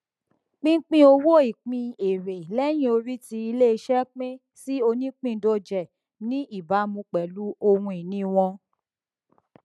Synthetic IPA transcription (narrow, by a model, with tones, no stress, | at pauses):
k͡pĩ˦k͡pĩ˦o˧wo˦i˦˨k͡pĩ˧e˨ɾe˨lɛ˦j̃ĩ˦o˧ɾi˦ti˧i˧le˦i˧ʃɛ˦k͡pẽ˦ | si˦o˧nĩ˦k͡pĩ˦˨˦do˧d͡ʒɛ˨ | nĩ˨˦i˦˨ba˨˦mũ˧k͡pɛ˨lu˨˦o˧hũ˧i˨nĩ˨˦w̃ɔ̃˧